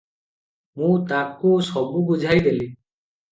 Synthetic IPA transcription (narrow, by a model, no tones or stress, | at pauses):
mũt̪akusɔbuɡud͡ʒʱajd̪eli